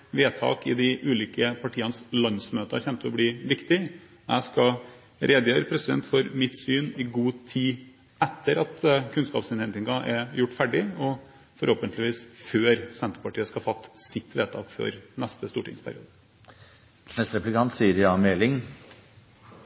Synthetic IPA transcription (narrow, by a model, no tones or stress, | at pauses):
ʋeːt̪ʰɑ̰ːkɪd̪ɪʔʉːliːkəpʰɑʈʰiːənslɑnsmøːt̪ɑ̰çɛmt̪əɔbliːʋɪkt̪ɪ | æɪskɑ | ɾʔeːd̪jøːɾəpʰɾɛsɪd̪ɛ̰nt̪fɔɾmɪt̪syːnɪɡuːt̪ʰiː | ɛt̪ʰːəɾɑt̪kʰʉnskɑ̰ːpsɪnhɛlt̪ɪŋɑʔɛɾjʊʈːfæɖɪɔ | fɔɾhoːpənlɪʋiːsføːɾsɛnt̪ɾəpɑʈʰiːəskɑfʰɑt̪ːsɪt̪ːʋeːt̪ʰɑːkfø̰ːɾnɛst̪əst̪uːʈɪ̰ŋspʰæ̰ɾɪuːd̪ə | nɛst̪ɾɛplɪkɑnt̪siːɾɪɑmɛlɪŋ